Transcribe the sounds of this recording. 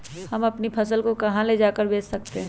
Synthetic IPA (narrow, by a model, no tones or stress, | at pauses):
hɐmɐpnipʰɐsəlkokɐɦãled͡ʒaːkəɾbʱeːt͡ʃsɐk̚t̪eɦɛ̃